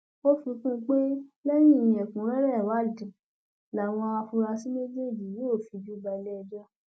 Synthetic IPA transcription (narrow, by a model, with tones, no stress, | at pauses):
o˦fi˧kũ˦˧k͡pe˦lɛ˦j̃ĩ˦˨j̃ĩ˧˦ɛ˨kũ˨˦ɾɛ˦ɾɛ˦˨wa˨˦˨dĩ˨ | la˨w̃ɔ̃˧a˧fu˧ɾa˧si˦me˦d͡ʒe˦˨d͡ʒi˨je˨˦o˦˨fi˧d͡ʒu˦ba˧lɛ˦˧d͡ʒa˦